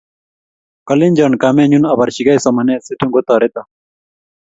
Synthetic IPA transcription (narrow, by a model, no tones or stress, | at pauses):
kɐlind͡ʑɐɳkaːmeɲunɐbɐɾɕiɡɐjsɐmɐneːset̪ʰũŋɡot̪aːɾet̪ɐ